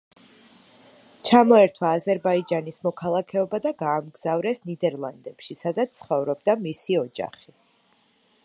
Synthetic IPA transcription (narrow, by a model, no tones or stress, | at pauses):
t͡ʃʰamɔɛɾt̪ʰwaːzɛɾbaid͡ʒanismɔkʰalˠakʰɛɔbad̪aɡaːmɡz̥avɾɛsnid̪ɛɾlˠand̪ɛpʃisad̪at̪sʰχɔvɾɔbd̪amisiɔd͡ʒa̰χi